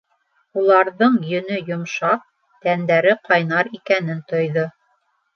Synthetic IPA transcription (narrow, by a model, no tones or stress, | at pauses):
ulˠɑɾðɤɴjɵ̆nɵjŏmʃɑq̚ | t̪ænd̪æɾɘqɑjnɑɾikænɘnt̪ŏjðo